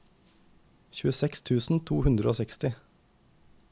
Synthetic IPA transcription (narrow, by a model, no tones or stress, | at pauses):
çʉːəsɛkst̪ʰʉːsn̩t̪ʰuːhʉnd̪ɾəoːsɛkst̪ɪ